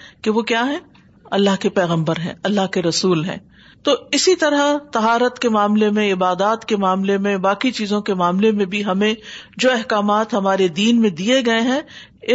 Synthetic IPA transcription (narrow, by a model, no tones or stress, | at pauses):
keʋokjaːɦɛ̃ | ɐlːaɦkepɛːɣə̃mbəɾɦɛ̰̃ɐlːaɦkeɾɐsuːlɦɛ̰̃ː | t̪oːɪsit̪ɐɾət̪ɐɦaːɾət̪kemaːmlemẽɪbaːd̪aːt̪kemaːmlemẽbaːkit͡ʃiːzõkemaːmlemẽbʱiɦɐmẽd͡ʒoːɛɦkaːmaːt̪ɦɐmaːɾed̪iːnmẽd̪ieɡɐeɦɛ̃ | ɪ